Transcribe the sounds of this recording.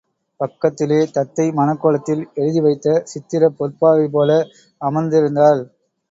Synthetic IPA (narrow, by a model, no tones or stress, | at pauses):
pɐkːɐt̪ːɪleːt̪ɐt̪ːɐɪmɐnɐkːoːlɐt̪ːɪlɛɻɯðiʋɐɪt̪ːɐsɪt̪ːɪɾɐpɔɾpːaːʋɐɪp̬oːlɐ | ɐmɐɾnd̪ɪɾɯnd̪aːl